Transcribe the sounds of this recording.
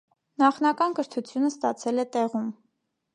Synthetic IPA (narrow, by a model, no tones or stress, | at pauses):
nɑχn̪ɑkɑnkəɾt̪ʰut͡sʰjunəst̪ɑt͡sʰɛlɛt̪ɛʁum